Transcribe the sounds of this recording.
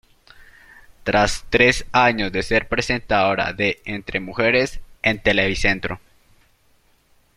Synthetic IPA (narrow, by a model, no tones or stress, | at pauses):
t̪ɾast̪ɾe̞saɲo̞zðe̞se̞ɾpɾe̞se̞nt̪aoɾa̰ðe̞ent̪ɾʔe̞muxe̞ɾesent̪eleβise̞nt̪ɾo